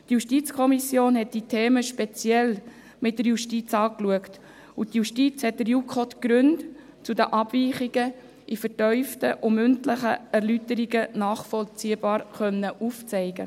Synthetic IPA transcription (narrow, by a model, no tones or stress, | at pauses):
tjuʃtit͡skʰɔmisjoːnɦɛt̚d̥itʰeːməʃpɛt͡sjɛl | mɪt̚d̥əɾjuʃtit͡sɑːkluəkt | ʊtjuʃtit͡shɛt̚dəɾjukʰɔtɡ̥ɾʉnt | t͡sudəʔɑb̥viːχiɡə | ʔifəɾtœʏftəʔʊmʏntlɪχəæɾlytəɾiɡənɑːχfɔlt͡siːəb̥ɑːɾχœnːəʔuft͡sɛɪɡə̰